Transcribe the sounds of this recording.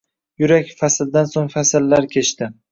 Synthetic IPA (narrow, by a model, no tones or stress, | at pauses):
jʊɾakʲfasɪld̪ansoŋfasɪlːaɾkʲʰe̞t͡ʃt̪ɪ